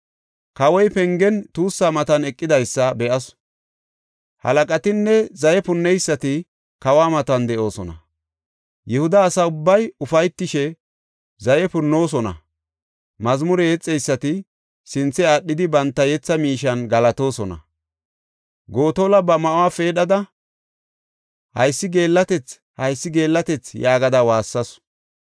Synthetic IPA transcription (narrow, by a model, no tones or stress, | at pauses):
kɐwɔjpɛŋɡɛnt̪uːsːaːmɐt̪ɐnɛkʼːɪd̪ɐjsːɐbɛʔɐs | hɐ̰lɐkʼɐt̪ɪnːɛzɐjɛpʊnːɛjsːɐt̪ɪ | kɐwaːmɐt̪ɐnd̪ɛʔo̞ːsɔnɐ̰ | jɛhʊd̪ɐːsɐʊbːɐjʊfɐjt̪ːɪʃɛ | zɐjɛpʊnːo̞ːs̬ɔnɐ̰ | mɐzmʊɾɛjɛt͡sʼːɛjsːɐt̪ɪ | sɪnt͡sːɛaɗːɪd̪ɪbɐnt̪ːɐjɛt͡sːɐmiːʃɐnɡɐlɐt̪o̞ːsɔnɐ̰ | ɡo̞ːt̪olɐbɐmɐʔʊwaːfe̞ːɗɐd̪ɐ | hɐ̰jsːɪɡe̞ːlːɐt̪ɛt͡s | hɐjsːɪɡe̞ːlːɐt̪ɛt͡sjaːɡɐd̪ɐwaːsːɐs